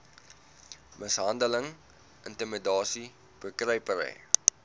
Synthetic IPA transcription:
məsɦɐndələŋ | əntəmədɑːsi | b̥əkrəjpəɾə̰j

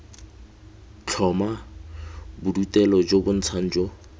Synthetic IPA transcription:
t͡ɬʰɔma | bʊdutɛlɔd͡ʒobʊn̩t͡sʰan̩d͡ʒo

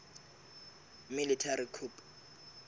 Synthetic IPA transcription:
militʰarikʰup

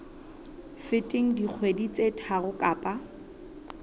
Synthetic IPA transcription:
fɪtʼɪŋ̩dik͡xʰwedit͡sʼetʰaɣʊkʼaːpʼa

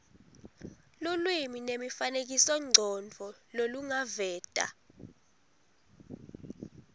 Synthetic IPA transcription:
lulwiminemifanek̬isɔŋ͡ǀʱɔnd͡vʱɔloluŋavɛːd̥ʼʱa̰

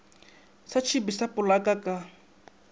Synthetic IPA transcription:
sat͡ʃʰibisapʼʊlakʼakʼa

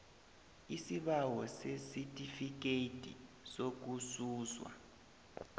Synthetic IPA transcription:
isiɓawɔsesitʼifik̬etʼḭ | sok̬usuːzwa̰

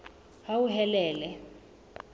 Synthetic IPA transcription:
hauɦɛlɛːlɛ

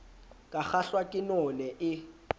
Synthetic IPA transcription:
kʼaχaɬwakʼɪnɔnɛʔɪ

